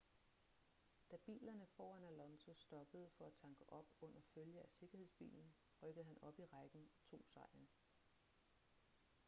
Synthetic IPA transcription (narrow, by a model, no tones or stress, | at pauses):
d̥æb̥ḭːlɐnəfɒ̰ːænælɒ̽nso̝sd̥ɒ̽b̥əð̞̩ˠfɒ̽æt͡sʰɑ̈ŋɡ̥əʔɒ̽b̥ɔ̽n̰ɐføljəæse̝ɡ̥ɐhe̝ðˠsb̥ḭːln̩ | ʁœɡ̥əð̩ˠɦænɒ̽b̥iʁɑɡ̥n̩t͡sʰo̝̰ːsɑ̈ɪ̰n